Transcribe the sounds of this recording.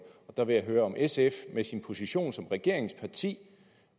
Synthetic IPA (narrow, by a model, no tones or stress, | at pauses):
ɒ̽d̥ɑ̈ʋe̝jæɦøːɐɒ̽mʔesefmesinpʰo̝siɕo̝̰ːnsɒ̽mʁɛɡ̥e̝ɐ̰e̝ŋspʰɑ̈t͡sʰḭː